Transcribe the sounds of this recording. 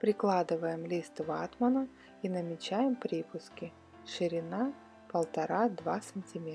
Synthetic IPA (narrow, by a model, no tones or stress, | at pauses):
pɾʲɪklˠad̪ɨvəjɪmlʲist̪vat̪mənə | inəmʲɪt͡ɕæjɪmpɾʲipʊskʲɪ | ʂɨɾʲɪna | pəlˠt̪ɐɾad̪vasənʲtʲɪmʲe